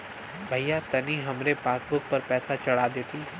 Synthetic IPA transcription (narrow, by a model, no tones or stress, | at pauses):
bʱɐjːat̪ɐniɦɐmɾepaːsbʊɾk̚pɐɾpɛːsat͡ʃɐɽad̪eːt̪i